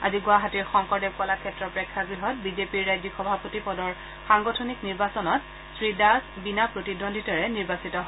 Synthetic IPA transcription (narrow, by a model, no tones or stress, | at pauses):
a̰ziɡʊaɦatiɹxɔŋkɔɹdeb̚kalakʰɛtɹɔpɹɛkʰːaɡɹiɦɔt̚bizepiɹːajzixɔbʱapotipɔdɔɹ | xaŋɡɔtʰɔnikniɹbasɔnɔt | sɹidasbinapɹotidondʱitɔɹɛniɹbasitɔɦɔ